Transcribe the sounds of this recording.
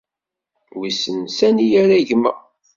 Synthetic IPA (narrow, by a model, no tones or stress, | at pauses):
wisənsænijæɾæʝmːə̰